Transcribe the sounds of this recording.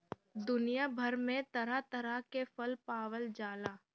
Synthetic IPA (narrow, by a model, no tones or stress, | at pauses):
d̪ʊnijabʱəɾmẽt̪ɐɾat̪ɐɾakefəlpaːʋəld͡ʒaːlaː